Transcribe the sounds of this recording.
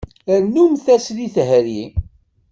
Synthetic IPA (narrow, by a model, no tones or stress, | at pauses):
əɾnumθæsliθɦəɾji